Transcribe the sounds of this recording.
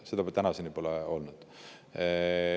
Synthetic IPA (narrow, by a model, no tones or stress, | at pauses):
se̞d̪ɑbet̪ænɑsenipo̞leo̞lnud̪̥